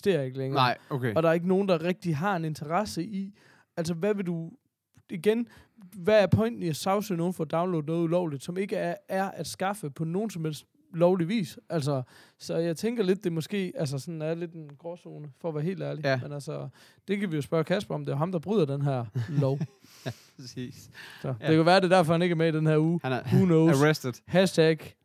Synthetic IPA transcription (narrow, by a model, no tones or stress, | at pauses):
sd̥e̝ɐɐe̝ɡ̥əleŋɐkeɒ̽d̥ɑ̈ɐe̝ɡ̥əno̝ːn̩d̥ɑʁɛɡ̥̚d̥iɦɑ̈e̝ne̝nt͡sʰɐʁɑsəʔi | æls̬əʋæʋe̝d̥u | iɡ̥en | ʋææɐpʰɒ̽ɪnd̥niæsɑ̈ʊsyno̝ːn̩fɒ̽ːd̥ɑ̈ʊnlo̝ːd̥̩ˠnɔːð̞̩ˠulɒʊ̰lid̥sɒ̽me̝ɡ̥əææɐʔæd̥sɡ̥ɑ̈fəpʰɒ̽no̝ːn̩sɒ̽mhel̰sd̥ | lɒʊliʋḭːsʔæls̬ɒsɒ̽jɑ̈ɪt͡sʰeŋɡ̥ɐle̝d̥̚ːe̝mɒ̽sɡ̥e̝̰ːæls̬əsɒ̽næɐle̝d̥enɡ̥ʁɒːso̝ːnəfɒ̽ːʋæːɐɦe̝̰ːld̥æɐlimenælsə | d̥e̝kʰæʋijo̝sb̥ɶɐkʰæsb̥ɐɒ̽md̥e̝jo̝ɦɑ̈md̥ɑ̈b̥ʁy̰ð̰ˠɐd̥enɦæɐ̰lɒʊ | sissɒ̥e̝kʰæʋæːɐde̝d̥æɐfɒhæne̝ɡ̥ɐmeid̥enhæɐuːhunoʊsd̥əd̥hæstʰæɡ̥